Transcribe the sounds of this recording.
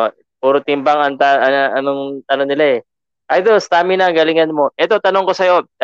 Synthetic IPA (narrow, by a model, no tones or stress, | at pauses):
o | puːɾot̪ɪmbaŋɐŋt̪aʔɐʔɐnoŋt̪ɐnoŋnɪlaɛ | ʔajd̪ost̪aːmɪnaɡɐlɪŋɐnmo̞ʔɛt̪o̞t̪ɐno̞ŋko̞sɐjo̞